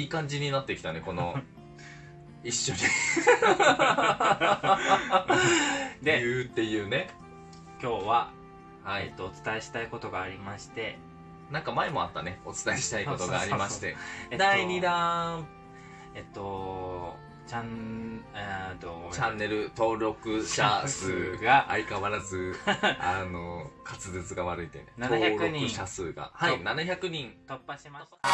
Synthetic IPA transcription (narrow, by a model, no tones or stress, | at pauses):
iːkãɲ̟d͡ʑiɲ̟inat̪ːe̞kʲi̥t̪ane̞ko̞no̞ | iɕːo̞ɲ̟i | d̪ejɯ̟ːt̪ːe̞jɯ̟ːne̞ | kʲo̞ːβa | haiet̪ːoːt͡sɨ̥t̪ae̞ɕi̥t̪aiko̞t̪o̞ɡaːɾʲimaɕi̥t̪e̞ | nãŋkamae̞mo̞̰a̰t̪ːane̞o̞t͡sɨ̥t̪ae̞ɕi̥t̪aiko̞t̪o̞ɡaːɾʲimaɕi̥t̪e̞̰d̪aiɲid̪ã | et̪ːo | t͡ɕãn | d̪ot͡ɕãnːe̞ɾɯ̟t̪o̞ːɾo̞kɯ̟ɕasɨːɡaʔːikaβaɾazɨano̞kʰat͡sɨzet͡sɨɡaβaɾɯ̟it̪e̞nennoːçaɯɲɯ̃ɕasɨːɡa̰hainanaçakɯ̟ɲ̟ĩŋt̪opːaɕima